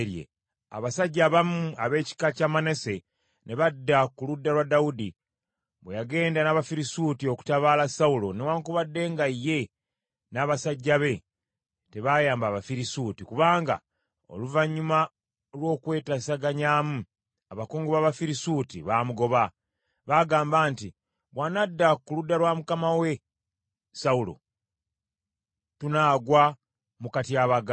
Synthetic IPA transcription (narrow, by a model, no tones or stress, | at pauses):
ɾjḛ | a̰βasaɟːaβamuaβe̞ːci̥kacamanese̞ | ne̞βadːakuludːalwadaudi | βwejaɡe̞ːndanaβafiɾisuːtio̞ku̥taβaːlasaulo̞newaːŋkuβadːe̞ːŋɡajːe̞ | naːβasaɟːaβe̞ | te̞βaːjaːmbaːβafiɾisuːtikuβaːŋɡa̰ | o̞̰luvaɲːuma | lwo̞ːkwe̞ːtasaɡaɲaːmu | aβakoːŋɡoβaːβafiɾisuːtiβamuɡo̞βa | βaːɡaːmbaːnti | βwanadːakuludːaɾwaːmukamawe̞ | saulo̞̰ | tunaːɡwa | mukatiaβaɡ